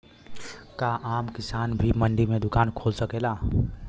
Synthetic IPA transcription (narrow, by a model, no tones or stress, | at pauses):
kaʔamkisanbʱiməɳɖimed̪ʊkankʰolsəkela